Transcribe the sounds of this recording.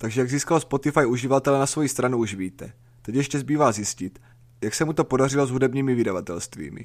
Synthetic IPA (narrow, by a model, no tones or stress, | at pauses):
t̪aɡʒɛjaɡziːskalospo̞t̪ɪfajʔuʒɪvat̪ɛlɛnasvo̞jist̪ɾanuuʃviːt̪ɛ | t̪ɛcjɛʃcɛzbiːvaːzjɪscɪt̪ | jaksɛmut̪o̞po̞dar̝ɪlo̞zɦudɛbɲiːmɪvɪdavat̪ɛlst̪vḭːmɪ̰